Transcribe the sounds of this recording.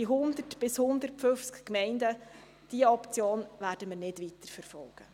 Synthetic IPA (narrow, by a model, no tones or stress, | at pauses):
iɦʊnd̪ətb̥ɪshʊnd̪əɾtfɵft͡skkmɛɪndə | d̥iəɔpt͡sjoːnʋæːɾd̥əməɾnɪdʋit̪əɾfəɾfɔlɡ̥ə